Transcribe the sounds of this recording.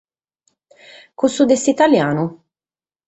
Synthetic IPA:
kusud̪est̪it̪aljaːnu

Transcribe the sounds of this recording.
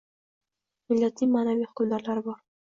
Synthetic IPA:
mɪlːat̪ʰimaːnaviːhʊ̥kʊmd̪aɾlaɾɪbɒɾ

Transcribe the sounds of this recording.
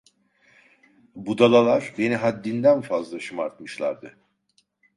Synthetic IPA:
bud̪alˠalˠaɾ̥be̞niɦad̪ːind̪ænfazlˠaʃɯmaɾt̪̚mɯʃlˠa̰ɾd̪ɯ

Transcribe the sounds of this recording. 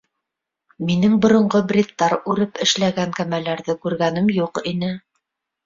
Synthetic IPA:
minɘŋbŏɾŏɴɢɤbrʲit̪ːɑɾʉɾɘpɘ̆ʃlæɡæŋkæmælæɾðɘkʉɾɡænɘmjuqinɘ

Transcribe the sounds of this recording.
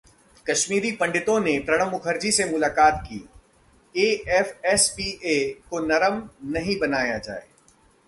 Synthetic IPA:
kɐʃmiːɾipɐ̃ɳɖɪt̪õnepɾɐɽ̃ə̃mːʊkʰəɾd͡ʒisemʊlaːkaːt̪kḭː | eːɛfɛspiːʔeːkonɐɾəmnɐɦĩbɐnaːjad͡ʒa̰ːḛː

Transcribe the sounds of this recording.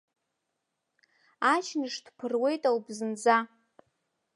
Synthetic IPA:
at͡ʃʰnɨʂd̥pʰɨrwe̞jtʼawbzɨnd͡za

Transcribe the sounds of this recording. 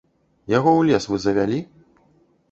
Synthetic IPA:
jaɣɔwlʲɛsvɨzɐvʲalʲi

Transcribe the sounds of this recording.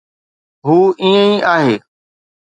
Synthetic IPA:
ɦuːĩːə̃ĩːʔaːɦeː

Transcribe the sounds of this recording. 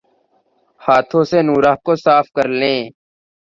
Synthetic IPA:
haːt̪ʰõːseːnuːɾaːɦkoːsaːfkəɾlẽː

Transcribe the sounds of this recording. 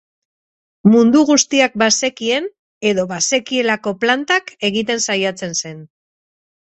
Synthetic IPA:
mund̪uɣ̞ust̪iak̚base̞kie̞n | e̞ðo̞βase̞kie̞lako̞plant̪ake̞ɣit̪e̞nsajat͡se̞nse̞n

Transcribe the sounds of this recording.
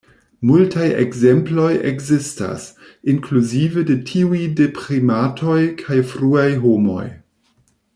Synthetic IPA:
multajḛɡzemplo̞jḛɡzista̰s | iŋkluzivedetʰiujdepɾimatʰo̞jkʰajfɾuajɦomo̞̰j

